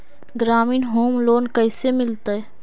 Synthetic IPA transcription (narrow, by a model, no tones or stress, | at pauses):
ɡɾaːmiːnɦoːmloːnkəɪsemɪlt̪aɦɛ